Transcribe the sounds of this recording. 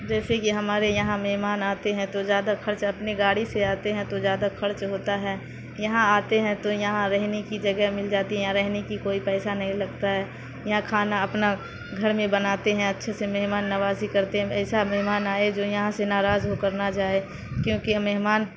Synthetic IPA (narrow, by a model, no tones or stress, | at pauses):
d͡ʒɛːsekiɦɐmaːɾejɐɦãmɛɦmaːnaːt̪eɦɛ̃t̪ozjaːd̪akʰɐɾt͡ʃɐpneɡaːɽiseaːt̪eɦɛ̃t̪ozjaːd̪axɐɾt͡ʃɦoːt̪aɦɛː | jɐɦãaːt̪eɦɛ̃t̪ojɐɦãɾɛɦnekid͡ʒɐɡɛɦmɪld͡ʒaːt̪iɦɛ̃jãɾɛɦnekikoːipɛːsanɐɦĩlɐɡt̪aɦɛː | jɐɦãkʰaːnaɐpna | ɡʱɐɾmẽbɐnaːt̪eɦɛ̃ɐtːʃʰesemɛɦmaːnːɐʋaːzikɐɾt̪eɦɛ̃ɛːsamɛɦmaːnaːed͡ʒoːjɐɦãsenaːɾaːzɦokɐɾnad͡ʒaːe | kjõːkimɛɦmaːn